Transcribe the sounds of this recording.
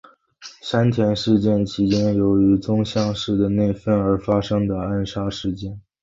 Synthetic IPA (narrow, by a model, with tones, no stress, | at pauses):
ʂa˥nt̪ʰjɛ˧˥nʂɻ̩˥˧t͡ɕjɛ˥˩nt͡ɕʰi˧˥t͡ɕjɛ˥njo˧˥ʊy˧˥t͡sʊ˥ŋɕjɑ˥˧ŋʂɻ̩˥˩d̪ə˩ne˥˩ɪfə˥˩nə˞˧˥fa˥ʂɤ˥ŋd̪ə˨a˥˩nʂa˥ʂɻ̩˥˧t͡ɕjɛ˥˩n